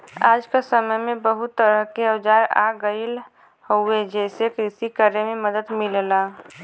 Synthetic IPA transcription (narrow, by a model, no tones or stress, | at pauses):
aːd͡ʒkasəməjmebəɦut̪ːəɾəɦkeəwd͡ʒaɾa̰ɡəɪl | hoed͡ʒɛsekɾisikəɾememəd̪əd̪milla